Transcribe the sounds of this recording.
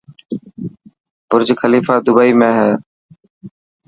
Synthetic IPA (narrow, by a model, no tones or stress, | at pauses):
pʊɾd͡ʒkʰəliːfaːd̪ʊbaiːmẽːɦɛː